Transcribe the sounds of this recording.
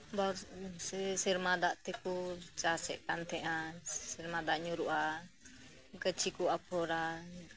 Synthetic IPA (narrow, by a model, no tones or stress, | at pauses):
ba | siɾmad̪aʔt̪ɛkut͡ʃasɛ̰ʔkant̪ʰɛʔasiɾmad̪aʔɲuɾuʔa | kət͡ʃʰikuapʰɔɾa